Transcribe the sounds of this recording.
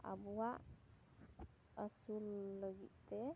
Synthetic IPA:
a̰buaʔ | əsulːəɡiʔt̪ɛ

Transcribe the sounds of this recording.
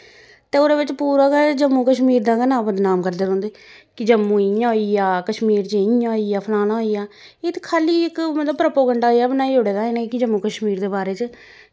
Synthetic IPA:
t̪eːoːɾeːbɪt͡ʃpuːɾaːkad͡ʒəmːũːkəʃmiːɾd̪ãːkənãːbəd̪naːmkəɾd̪eːɾõːnd̪eː | kɪd͡ʒəmːũːɪãːɦoːiːaːkəʃmiːɾt͡ʃeɪãːɦoiːjaːpʰəlaːɽ̃aːɦoːiːjaː | eːt̪e̥kʰaːliːɪkmət̪ləbpɾəpoːɡəɳɖaːɦijaːbənaːid͡ʒoːɽeːd̪aːɪnẽkɪd͡ʒəmːũːkəʃmiːɾd̪eːbaːɾeːt͡ʃ

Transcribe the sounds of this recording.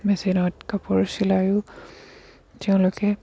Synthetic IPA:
mesinɔtkapɔɹsilajʊ | tɛʊ̃lʊkɛ

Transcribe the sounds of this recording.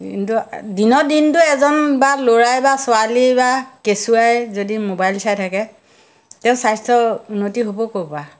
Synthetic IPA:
kintudinɔdintʊɛzɔnbaloɹajbasʊalibakesuajzodimobajlsajtʰakɛ | tɛʊ̃sajstɹɔunːotiɦobɔkopa

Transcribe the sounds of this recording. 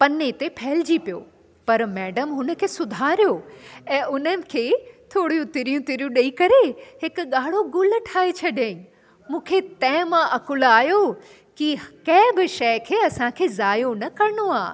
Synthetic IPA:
pɐnet̪epʰɛɦlɪd͡ʑipijo̰ː | pɐɾmɛːɖəmɦʊnə̆kʰeːsʊd̪ʱaːɾijoɛ̃ːʊnənɪ̆kʰeːt̪ʰoːɽ̤ijũt̪ɪɾijũt̪ɪɾijũɗɐikɐɾeɦɪkʊɠaːɽ̤oɡʊl̆ʈʰaːet͡ɕʰɐɗẽːĩ | mũːkʰet̪ɐ̃ɦɪ̃mãʔɐkʊlaːjo | kikɐ̃ːbɪʃɐjkʰeːɐsãkʰeːzaːjonɐkɐɾɪñoaː

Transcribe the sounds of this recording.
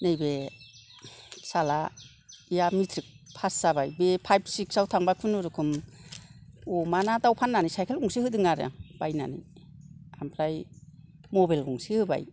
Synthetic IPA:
nejbe | sala | ijamitʰɾik̚pʰasːaβajbepʰajbsiksawtʰaŋbakʰɯnɔɾɯkʰɯm | omanadawpʰanːanisajkʰelɡuŋsihɯdɯŋaɾa̰ŋb̥ajna̰nḭ | ampʰlaj | mɔbajlɡuŋsihɯba̰j

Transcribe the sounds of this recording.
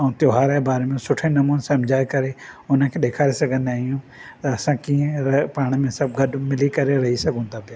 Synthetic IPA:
ɛ̃ːt̪joːɦaːɾabaːɾemẽsʊʈʰẽnɐmuːnsɐmd͡ʑʱaːekɐɾeʊnə̆kʰeːɗeːkʰaːɾesɐɡʱə̃nd̪aːɦijũ | t̪ɐɐsãkiːə̃ɾɐpaːɽ̃mẽsɐbʱɡɐɗmɪlikɐɾeɾɐɦisɐɡʱõːnd̪apijaː

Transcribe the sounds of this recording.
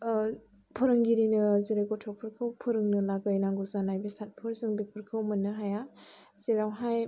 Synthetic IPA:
pʰɔɾɯŋɡiɾinɯziɾɯɡɔtʰɔk̚pʰɯɾkʰɯwpʰuɾɯŋnɯlaɡɯjnaŋɡɯzanajbesat̚pʰɯɾzɯŋbik̚pʰɯɾkʰɯwmɯnɯɦaja | siɾawɦaj

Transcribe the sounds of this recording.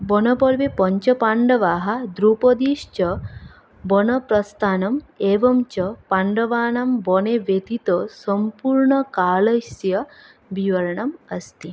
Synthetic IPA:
bɔnɐpɔɾʋepɔɲt͡ʃɐpaɳɖɐʋaːɦɐd̪ɾuːpɔd̪iːʃt͡ʃɐ | bɔnɐpɾɐst̪ʰaːnɐmeːʋɐmt͡ʃɐpaɳɖɐʋaːɳambɔneʋet̪it̪əsəmpuːɾɳɐkaːlɐjsjɐ | ʋiʋɐɾɐɳɐmɐst̪i

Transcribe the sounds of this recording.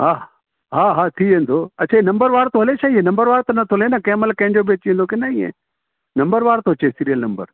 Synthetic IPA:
ɦaː | ɦaːɦaːt̪ʰiʋẽːnd̪oːɐtːt͡ʃʰaːenɐ̃mbəɾʋaːɾt̪oɦɐlet͡ʃʰaːiẽnɐ̃mbəɾʋaːɾt̪ɐnɐt̪ʰolẽnɐkɛ̃ːməlkɐ̃ɦɪ̃ɲd͡ʒobeːt͡ɕẽːnd̪okenaĩḛ̃ | nɐmbəɾʋaːɾt̪oːt͡ʃesiɾijəlnɐmbə̰ɾ

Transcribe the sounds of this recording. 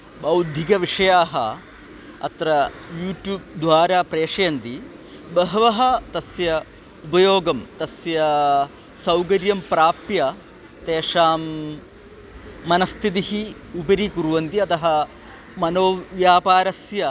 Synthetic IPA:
bɐwd̪ʱikɐʋiʂɐjaːɦɐ | ɐ̰t̪ɾɐ | juːʈjuːb̚d̪ʋaːɾaːpɾeːʂɐjɐnt̪i | bɐɦɐʋɐɦɐ̆t̪ɐsjɐ | upɐjoːɡɐmt̪ɐsjɐ | sɐwkɐɾjɐmpɾaːpjɐ | t̪eːʂaːm | ɐnɐst̪ʰit̪ihi | upɐɾikuɾuʋɐnt̪iɐt̪ɐɦɐ̆ | mɐnoːʋjaːpaːɾɐsjɐ

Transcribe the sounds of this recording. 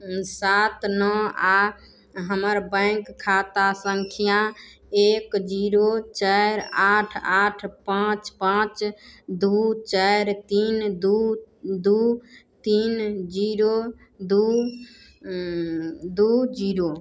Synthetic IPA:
sat̪nɔa | ɦəməɾbə̃ɪŋkkʰːat̪asəŋkʰija | ekd͡ʒiɾot͡ʃajɾaʈʰaʈʰpãt͡ʃpãt͡ʃd̪ut͡ʃajɾt̪ind̪ud̪ut̪ind͡ʒiɾo | d̪u | d̪ud͡ʒiɾo

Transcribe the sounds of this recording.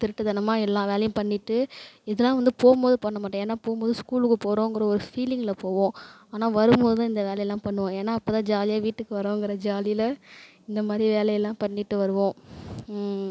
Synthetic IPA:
t̪ɪɾɯʈːɯðɐnɐmaːɛlːãːʋeːlɐjʊ̃pɐɳːɪʈːɯɪðɐlːãːʋɐnd̪ɯpoːmboːðɯpɐɳːɐmaːʈːõeːnːaːpoːɣɯmboːðɯskuːlɯkːɯpoːɾõːɪŋɡɪɾɐɔɾɯfiːlɪŋɡlɐpoːʋõː | aːnaːʋɐɾɯmboːðɯt̪ãɪnd̪ɐʋeːlɐjɐlːãːpɐɳːɯʋõːeːnːaːɐpːoːt̪ãːd͡ʒaːlɪjaʋiːʈːɯkːɯʋɐɾõːŋɡɪɾɐd͡ʒaːlɪlɐ | ɪnd̪ɐmaːd̪ɾiʋeːlɐjɐlːãːpɐɳːɪʈːɯʋɐɾɯʋõː

